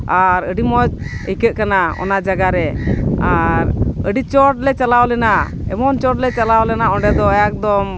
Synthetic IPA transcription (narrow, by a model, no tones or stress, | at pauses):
aɾəɖimɔt͡ʃəjkəʔ̪̚kanaɔ̰nad͡ʒaɡaɾɛaɾəɖit͡ʃɔʈ̚lɛt͡ʃalawlɛna | ɛmɔnt͡ʃɔʈlɛt͡ʃalawlɛnaɔɳɖɛd̪ɔjak̚d̪ɔm